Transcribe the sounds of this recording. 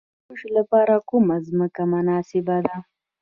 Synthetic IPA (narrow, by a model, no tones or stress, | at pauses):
uʃlapɑɾakumazməkamʊnɑsɪbad̪a